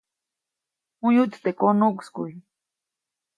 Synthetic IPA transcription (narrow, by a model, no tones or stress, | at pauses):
ujut͡st̪ekonukskṵj